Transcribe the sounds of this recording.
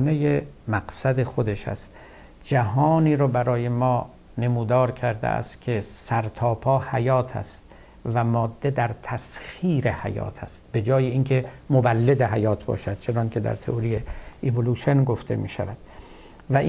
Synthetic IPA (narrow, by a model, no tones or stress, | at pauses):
nejemæqsæd̪exo̞d̪eʃhæ̰st̪ | d͡ʒæɦɒːniːɾɒːbæɾɒːje̞mɒː | ne̞muːd̪ɒːɾkʰæɾd̪ḛʔæ̰st̪kʲʰesæɾt̪ʰɒːpʰɒːhæjɒːt̪ʰæ̰st̪̚ | væmɒːd̪ːed̪æɾt̪ʰæsxiːɾe̞hæ̰jɒ̰ːt̪ʰæ̰st̪̚be̞d͡ʒɒːjeiːnkʰe̞movælːed̪eɦæjɒːt̪ʰbɒ̰ːʃæd̪̚t͡ʃʰe̞nɒːnkʲʰe̞d̪æ̰ɾt̪ʰḛʔoɾijeevoluʃenɡoft̪ʰe̞̰mḭːʃæ̰væd̪̥ | væʔ